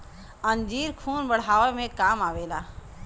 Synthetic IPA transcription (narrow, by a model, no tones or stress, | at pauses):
ə̃nd͡ʒiːɾkʰuːnbəɽ̤aːʋemẽkaːmaːʋeːlaː